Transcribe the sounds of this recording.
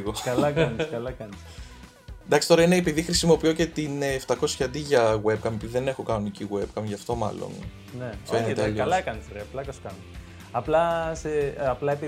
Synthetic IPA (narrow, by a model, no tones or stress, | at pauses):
ɣokɐlɐkɐniskɐlɐkɐnis | nd̪ɐksi̥t̪o̞ɾɐineepiðixɾisimo̞pio̞ce̞t̪inːft̪ɐko̞sçɐd̪iʝɐɣweb̚kɐmpiiðe̞ne̞xo̞kɐnoniciɣweb̚kɐmʝɐft̪o̞mɐ̰lo̞̰n | nefenet̪loɐlɐkɐnisɾeɐplɐkɐskɐn | ɐplɐseɐplɐep